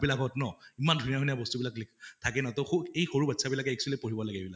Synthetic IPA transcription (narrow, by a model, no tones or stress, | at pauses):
bilakɦɔtnɔimandʱunijaɦunijabɔstubilakliktʰakɛnɔtɔxuejxoɹubatsʰabilakɛɛksɔlipoɹibɔlaɡɛbilak